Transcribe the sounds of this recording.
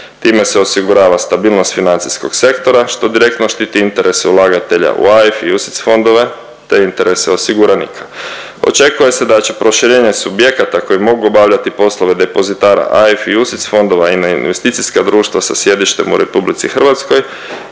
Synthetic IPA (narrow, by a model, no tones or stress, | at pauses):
t̪iːme̞se̞osiɡuɾaːʋast̪abiːlˠno̞st̪finant̪sisko̞ɡse̞kt̪o̞ɾaʃt̪o̞d̪iɾe̞k̚t̪no̞ʃt̪iːt̪iint̪e̞ɾe̞seulˠaɡat̪e̞ʎa̰ʔṵaefiusi̥t̪sfo̞nd̪o̞ʋe̞ | t̪eint̪e̞ɾe̞seo̞siɡuɾanḭkʰḁ | o̞̰t͡ʃe̞kuje̞se̞d̪at͡ɕe̞pɾo̞ʃiɾeːɲe̞subje̞kat̪ako̞jimo̞ɡuobaʋʎat̪ipo̞slˠoʋe̞d̪e̞po̞zit̪aːɾa̰ʔaefiusit̪sfo̞nd̪o̞ʋainainʋe̞st̪it̪siskad̪ɾuːʃt̪ʋasasje̞d̪iʃt̪e̞mṵɾe̞publit̪sixr̩ʋat̪sko̞j